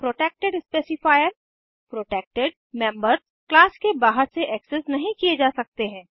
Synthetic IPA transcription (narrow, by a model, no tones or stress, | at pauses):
pɾoːʈeːk̚ʈeɖɪspeːsɪfaːjəɾ | pɾoːʈeːk̚ʈeɖ | mɛ̃ːmbəɾz | klaːskebaːɦəɾseʔɛːksɛsnɐɦĩkied͡ʒaːsɐk̚t̪eɦɛ̃ː